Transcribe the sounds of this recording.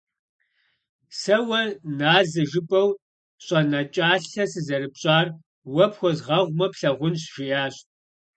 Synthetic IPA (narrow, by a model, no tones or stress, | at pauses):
sɐwɐnaːzɨʒɨpʼɐw | ɕʼɐnɐt͡ʃʼaːɬɐsɨzɐɾɨpɕʼaːr | wɐpxʷɔzʁɐʁʷmɐpɬɐʁʷʊnɕʒijaːɕʼ